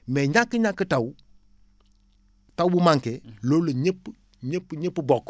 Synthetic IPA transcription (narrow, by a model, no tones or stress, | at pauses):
mɛɲakːəɲakːətaw | tawbumaŋkeloleɲepː | ɲepːɲepːbɔk